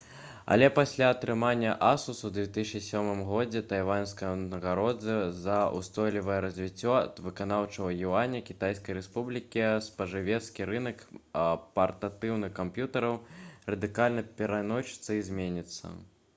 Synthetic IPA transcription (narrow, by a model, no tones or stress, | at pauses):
ɐ̰lʲɛpasʲlʲaːt̪ɾɨmanʲːɐʔasusuwd̪ʲvʲɛt̪ɨsʲit͡ʂisʲɔmɨmɣɔd͡zʲɛt̪ajvanskɐjɐnɐɣaɾɔd̪zɐzɐṵst̪ɔjlʲivɐjɛɾɐzʲvʲit͡sʲːɔ̰t̪vɨkan̪awt͡ʂɐwɐjianʲɐkʲit̪ajskɐjɾɛspublʲikʲispɐʐɨvʲɛt̪skʲiɾɨnɐkpɐrt̪at̪ɨwnɨxkampjut̪ɐɾɐwrɐd̪ɨkalʲnɐpʲɛɾanɔt͡ʃɨ̥t̪sːɐizʲmʲenʲit̪sːɐ̰